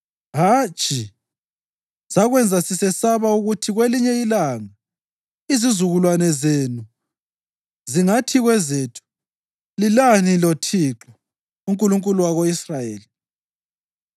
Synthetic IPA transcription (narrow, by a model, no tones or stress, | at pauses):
ɦat͡ʃʼi | saɣwɛnd͡zʱasisɛsaβauɣutʰiɣweliɲɛilaŋa | izizuɣulwanɛzenu | ziŋatʰiɣwɛzeːtʰu̥ | lilanilɔtʰiǁɔ | uŋkʼuluŋkʼuluwaɣoisrajeːli